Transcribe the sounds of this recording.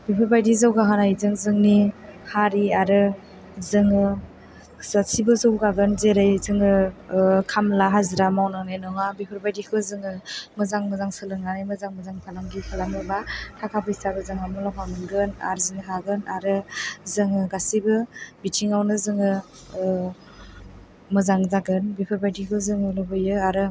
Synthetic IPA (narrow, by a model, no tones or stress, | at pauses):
bipʰɯɾbajdizawɡaɦɯnajzɯŋzɯŋnihaɾiaɾɯ | zɯŋɯ | sasibɯzawɡaɡɯnzeɾɯjzɯŋɯ | kʰamlaɦazɾamawnaŋnenɔŋabipʰɯɾbajdikʰɯzɯŋɯmɯzaŋmɯzaŋsɯlɯŋanajmɯzaŋmɯzaŋpʰalaŋɡipʰalamɯbatʰakʰabɯisabɯzɯŋamɔlɔpʰamɯnɡɯna̰ɾzinɯɦaɡɯnaɾɯzɯŋɯɡasibɯbitʰiŋawnɯzɯŋɯ | mɯzaŋzaɡɯnbipʰɯɾbajdikʰɯzɯŋɯlɔbɯjɯaɾɯ